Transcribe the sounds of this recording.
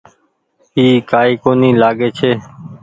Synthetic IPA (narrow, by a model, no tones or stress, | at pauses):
iːkaːiːkoːnĩːlaːɠeːt͡ʃʰeː